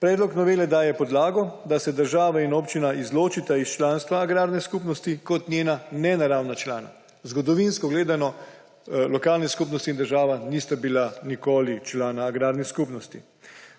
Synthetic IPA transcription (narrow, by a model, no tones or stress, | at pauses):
pɾɛːd̪lɔknɔʋeːlɛd̪aːjɛpɔd̪laːɡɔd̪asɛd̪əɾʒaːʋainopt͡ʃinaizloːt͡ʃit̪aist͡ʃlaːnst̪ʋaːɡɾaːɾnɛskuːpnɔst̪ikɔt̪nʲjeːnanɛnaɾaːwnat͡ʃlaːna̰ | zɡɔd̪ɔʋinskɔɡleːd̪anɔ | lɔkaːlnɛskupnɔst̪iːnd̪əɾʒaːʋaniːst̪abilanikoːlit͡ʃlaːnaːɡɾaːɾnɛskupnɔst̪i